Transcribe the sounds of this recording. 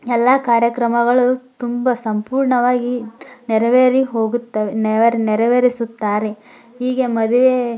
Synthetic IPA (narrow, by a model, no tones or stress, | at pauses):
ɛlːaːkaːɾjɐkɾɐmɐɡɐɭɐt̪umbɐsɐmpuːɾɳɐʋaːɡinɛɾɐʋeːɾiɦo̞ːɡut̪ːɐʋenɛʋɐɾinɛɾɐʋeːɾisut̪ːaːɾe | ɦiːɡemɐd̪uʋe